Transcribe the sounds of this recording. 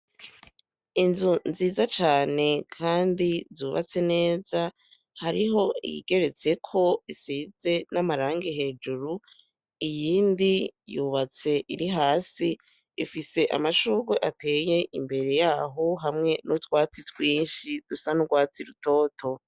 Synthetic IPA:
inzunziːzat͡ʃaːne̞kʰaːndizuːβa̰t͡se̞ne̞ːza | haɾiɦo̞iḭɡ̥e̞ɾe̞t͡se̞kʰo̞isiːze̞namaɾaːŋɡeɦe̞ːd͡ʒuɾu | ijiːndijuβat͡se̞ʔiɾiɦaːsiː | fise̞ʔa̰maʃuːβweʔate̞ːje̞ʔimbe̞ɾe̞jaːɦo̞ɦamŋe̞nutwaːt͡sitwiːnʃid̥usanuɡwaːt͡siɾuto̞ːtʰo̞

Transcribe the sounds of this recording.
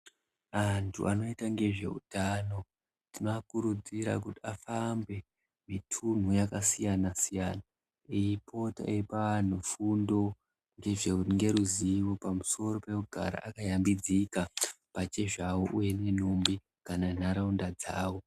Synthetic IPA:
antʰṵʔano̞itaŋɡe̞ʐe̞̰ṵtano̞ | tinoakuɾud͡ziɾa̰kutiafambwe̞ | mitʰun̤ujakasijanasijaːna | iipʰo̞ta̰ʔepaan̤ufundo̞ | ŋɡe̞ʐeuŋɡe̞ɾuziʋo̞pamuso̞ro̞pe̞kuɡʱa̰ɾa̰ʔakajambid͡zika | pat͡ʃe̞ʐawoʔuje̞ne̞numbi | kananaɾaundad͡za̰ːwo̞

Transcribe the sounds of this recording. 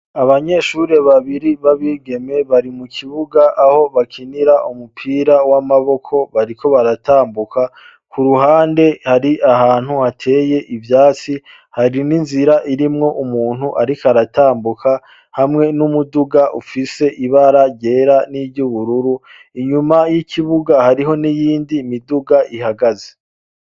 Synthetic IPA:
aβaɲe̞ʃuɾe̞βaβiɾiβaβiɡe̞me̞βaɾimukʰiβuɡaʔaho̞βakʰiniɾaʔumupʰiːɾawamaβo̞kʰo̞βaɾikʰo̞βaɾataːmbukʰa | kuɾuɦaːnde̞haɾiʔaɦhaːn̥huhatʰe̞ːje̞ʔivjaːt͡si | haɾininziɾaʔiɾimŋo̞ʔumuːn̥huʔaɾikaɾataːmbukʰa | hamŋe̞numuduɡaʔufise̞ʔiβaɾaɟe̞ːɾaniːvɟuβuɾuɾu | iɲumajikʰiβuɡahaɾiɦo̞nijiːndiːmiduɡaʔiɦaɡaze̥

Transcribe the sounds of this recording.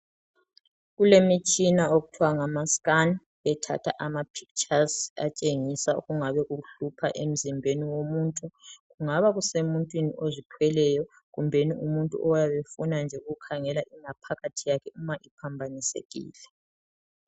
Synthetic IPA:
ɣulemit͡ʃʼinaoɣutʰwaŋamaskan | βɛtʰa̰tʰa̰ʔamapʰi̥k̚t͡ʃʼaza̰t͡ʃʼeŋisauɣuŋaβɛɣuɬupʰa̰ʔem̩zimbʱeniwomuːntʼuɣuŋaβaɣusemuntʼwiniʔozitʰwɛlɛjɔ | ɣumbʱeniumuntʼṵʔɔwjaβefunand͡ʒʱɛuukʰaŋɛlaʔiŋapʰaɣatʰijakʰɛumaʔipʰambʱanisḛɣḭːlɛ

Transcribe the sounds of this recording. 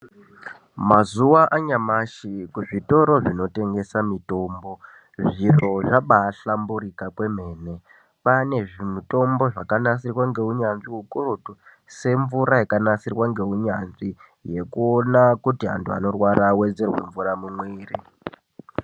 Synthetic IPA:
mazuwaʔaɲamaʃikuʐito̞ɾo̞ʐino̞te̞ŋɡe̞samito̞ːmbo̞ | ʐiro̞ʐaɓaːɬamburikakwe̞m̤e̞ːne̞ | pane̞ʐimito̞mbo̞ʐakanasirwaŋɡe̞uɲanʐiɦukurutu | se̞ɱvuɾaikanasirwaŋɡe̞uɲanʐi | je̞kuonakutiɦa̰ntʰua̰no̞rwaɾawe̞d͡zerwḛɱvuramumweːrḭ

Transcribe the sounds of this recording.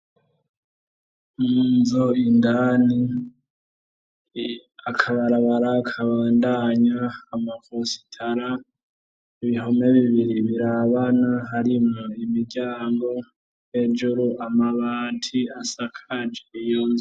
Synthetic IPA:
munzoindani | akʰaβaɾaβaɾaːkʰaβaːndaɲaːmakosi̥tʰaɾa | iβiɦome̞βiβiɾiβiɾaβanaɦaɾimŋuimiɾɟaːŋɡo̞ | je̞d͡ʒuɾuʔamaβaːntʰiasakʰad͡ʒejoːnzo

